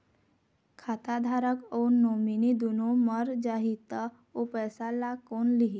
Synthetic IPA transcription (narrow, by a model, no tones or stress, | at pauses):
kʰaːt̪ad̪ʱaːɾəkɔːɾnoːminid̪unoməɾd͡ʒaːɦit̪a | opɛːsalakoːnliɦi